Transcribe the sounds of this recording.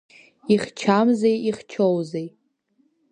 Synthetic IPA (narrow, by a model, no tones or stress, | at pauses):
iχt͡ʃʰamzejiχt͡ʃʰowzej